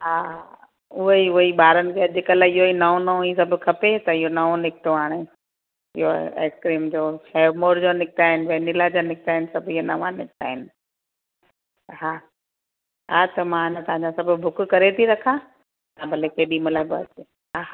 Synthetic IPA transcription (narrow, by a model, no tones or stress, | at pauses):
ɦaː | ʊɦiʊɦiɓaːɾənɪ̆kʰeɐʄɪkəlaːɪɦoinɐõnɐõiːs̬ɐbʱʊ̆kʰɐpet̪ɐɪɦonɐʋõnɪkʰɪʈ̪oɦaːɽ̃e | ɪ̰ɦoḛːkskɾiːmd͡ʑoːxeːɾmoːɾd͡ʑonɪk̚t̪aːɦɪnɪ̆ʋeːnɪlad͡ʑanɪk̚t̪aːɪnɪsɐbʱɪɦonɐʋãnɪkɪt̪a̰ːɦɪnɪ̆ | ɦaː | ɦaːt̪ɐmãnət̪ɐʋɦãɲd͡ʑãsɐbʱʊ̆bʱʊkkɐɾet̪ʰiɾɐkʰã | t̪ãbʱɐlekeːɗimʊlaːbɐt̪e | ɦaa